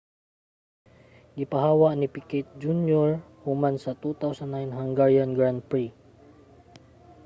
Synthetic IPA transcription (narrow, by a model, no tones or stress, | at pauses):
ɡɪpaɦaːwaʔnipikɛt̪̚d͡ʒunjɔɹ | humansat̪ut̪awsanːajnhaŋɡaɹjanɡɹan̚pɹi